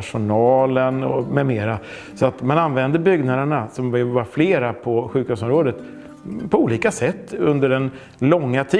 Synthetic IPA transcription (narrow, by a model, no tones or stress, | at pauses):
ʂʊnɑːlənɔ̰mɛmeːɾa | sɔat̪mananvɛnd̪əɾbʏɡnad̪əɳasɔmvɪlvaɾfleːɾapʰɔɧʉ̟ːkhʉs̬ɔmɾoːd̪ət̪ | pʰɔuːliːkasɛt̪ːɵnd̪əɖɛn | lɔŋːat̪ʰi